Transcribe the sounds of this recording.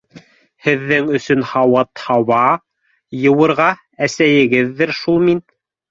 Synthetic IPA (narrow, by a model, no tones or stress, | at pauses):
hɘ̆ðːɘŋɵ̆sɵnhɑwɑt̪hɑwɑ | jɤ̆wɤ̆ɾʁɑ | æsæjɘ̆ɡɘðːɘɾʃulˠmin